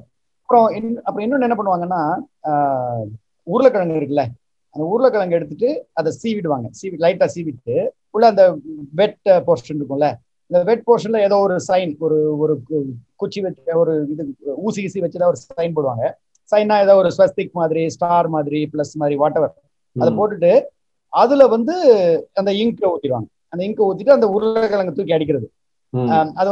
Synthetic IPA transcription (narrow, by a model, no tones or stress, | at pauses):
ɐpːɯɾõɪnɐpːɯɾɔ̃ɪnːɔnːɛnːɐpɐɳːɯʋaːŋɡɐnːaː | uːɾɯlɐkːɐɭɐŋɡɪɾɯk̬ːɐlːɛ | ɐnd̪ɐuːɾɯlɐkːɐɭɐŋɡɛɽɯt̪ːɯʈːɯɐðɐsiːʋɪɽɯʋaːŋɡɐsiːʋɪʈːlɐɪʈːaːsiːʋɪʈːɯ | ʊɭːɐɐnd̪ɐʋɛʈpoːɾʂɐnɪɾɯkːʊ̃ɛlɛ | ɐnd̪ɐʋɛʈ̚poːɾʂɐnlɐeːðoːɔɾɯsɐɪnɔɾɯɔɾɯkʊt͡ʃːiʋɐt͡ʃːɔɾɯɪðɯuːsisiʋɐt͡ʃːɯeːðaːɔɾɯsɐɪnpoːɽɯʋa̰ːŋɡɐ | sɐɪnːãːeːðaːɔɾɯsɐst̪ɪkːmaːðɪɾisʈaːɾmaːðɪɾiplɐsmaːðɪɾiʋaːʈːɐʋɐɾ | ɐðɐpoːʈːɯʈːɯ | ɐðɯlɐʋɐnd̪ɯɐnd̪ɐɪŋkuːt̪ːɪɾɯʋa̰ːŋɡɐ | ɐnd̪ɐɪŋkuːt̪ːɪʈːɯɐnd̪ɐʊɾɯlɛkɐlɐŋɡɐt̪ːuːɾk̬ːiɐɽɪk̬ʲːɪɾɐðɯ | ɐð